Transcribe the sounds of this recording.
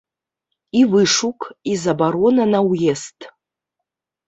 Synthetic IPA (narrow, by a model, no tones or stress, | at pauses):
ivɨʂukʰʼizabaɾonanawjestʼ